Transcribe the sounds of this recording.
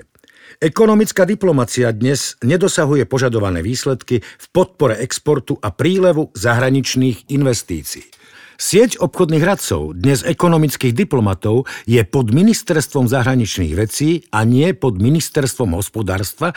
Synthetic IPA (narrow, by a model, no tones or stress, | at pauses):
ɛkɔnɔmit͡skaːd̪iplɔmat͡siad̪ɲɛz̥ɲɛd̪ɔsaɦujɛpɔʒad̪ɔʋanɛ̰ːʋiːslɛt̪kifpɔt̪̚pɔɾɛʔɛkspɔɾt̪uʔapɾiːlɛʋuzaɦɾaɲit͡ʃniːɣinʋɛst̪ḭːt͡sḭː | sɪɛcɔpxɔd̪niːɣɾat͡sɔ̰ʊd̪ɲɛzɛkɔnɔmit͡skiːɣd̪iplɔmat̪ɔʊjɛpɔd̪minist̪ɛɾst̪ʋɔmzaɦɾaɲit͡ʃnḭːɣʋɛt͡siːaɲɪɛpɔd̪minist̪ɛɾst̪ʋɔmɦɔspɔd̪a̰ːɾst̪ʋa